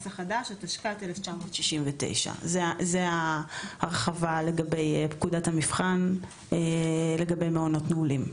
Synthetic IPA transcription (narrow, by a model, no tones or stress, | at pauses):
saχadaʃataʃkateleft͡ʃamo̞ːt̪ʃiʃimvete̞̰jʃa̰zezeaʁχavale̞ɡabe̞jpkudathamifχan | ele̞ɡabe̞jmeono̞tneulim